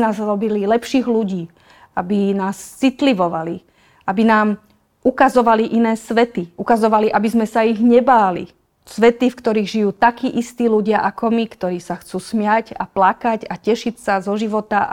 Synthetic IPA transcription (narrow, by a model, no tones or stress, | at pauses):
naːzɾɔbililɛpʃiːɣluɟiː | abinaːst͡sit̪liʋɔʋali | ʔabinaːm | ʔukazɔʋaliʔinɛːsʋɛt̪iʔukazɔʋaliʔabizmɛsaiɣɲɛbaːlḭ | sʋɛt̪ifkt̪ɔɾiːɣʒijuːt̪akiːʔist̪iːluɟɪaʔakɔmikt̪ɔɾiːsaxt͡suːsmɪaca̰plakacacɛʃicsazɔʒiʋɔt̪a